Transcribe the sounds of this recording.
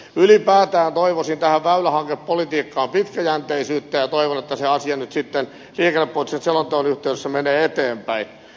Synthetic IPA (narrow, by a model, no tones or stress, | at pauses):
ylipæːt̪æːnt̪oiʋosint̪æhæʋʋæylæhɑŋkeppolit̪iːkːɑːmpit̪kæjænt̪eisyːt̪ːæjɑt̪oiʋonet̪ːæseɑsiɑnyt̪sit̪ːen | liːkenːepːoit̪senselont̪ooːnyht̪eydesːæmeneːet̪eːmpæin